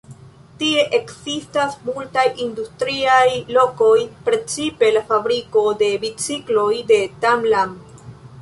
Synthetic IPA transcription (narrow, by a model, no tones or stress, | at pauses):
tie̞ʔekzistasmultajʔindustɾiajlo̞ko̞jpɾe̞t͡sipe̞lafabɾiko̞de̞bit͡siklo̞jde̞tamlam